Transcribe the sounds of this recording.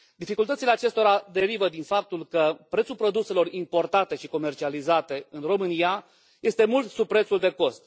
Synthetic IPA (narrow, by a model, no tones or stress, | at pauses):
d̪ifikult̪ət̪sile̞at͡ʃe̞st̪o̞ɾad̪e̞ɾivəd̪infap̚t̪ulkəpɾet̪sulpɾo̞d̪use̞lo̞ɾimpo̞rt̪at̪e̞ʃiko̞me̞rt͡ʃializat̪e̞ɨnro̞mɨnia | je̞st̪e̞mult̪supɾe̞t̪suld̪e̞ko̞st̪